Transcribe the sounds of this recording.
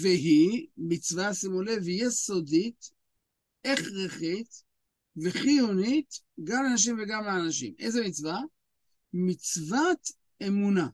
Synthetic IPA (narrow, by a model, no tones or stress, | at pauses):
veɦimit͡svasimolevejesod̪it̪ | eχʁeχit̪ | veχijunit̪ | ɡamanaʃ̬imveɡamaːnaʃḭmḛjzemit͡sva | mit͡svat̪ | emuna